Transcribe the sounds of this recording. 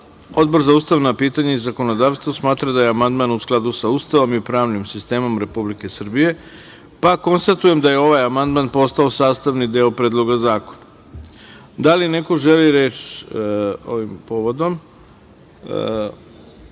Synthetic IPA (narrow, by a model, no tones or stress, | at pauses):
o̞d̪̚bo̞ɾzauːst̪aʋnapiːt̪aɲaizako̞no̞d̪aːʋst̪ʋosmaːt̪ɾad̪ajeamand̪manusklˠad̪usauːst̪aʋo̞mipɾaːʋnimsist̪e̞ːmo̞mɾe̞publike̞sr̩bije̞ | pako̞nst̪at̪uje̞md̪aje̞o̞ʋajamand̪manpo̞st̪ao̞saːst̪aʋnid̪eopɾe̞ːd̪lˠo̞ɡazaːko̥na | d̪aline̞ko̞ʒe̞liɾeːt͡ʃ | o̰ʋimpoʋod̪o̞m